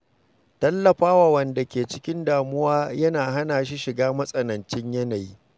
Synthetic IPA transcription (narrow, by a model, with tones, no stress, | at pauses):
tɐ˦lːɐ˨ɸaː˦waː˨wɐ˨nda˨kʲeː˨t͡ʃɪ˦kʲɪ˦ndaː˨mʊ˦waː˦jɐ˦naː˨ɦa˦naː˨ʃ̬i˦ʃɪ˨ɡaː˦mɐ˦sʼɐ˨nɐ˨nt͡ʃɪ˦ɲjɐ˦na˨jiː˦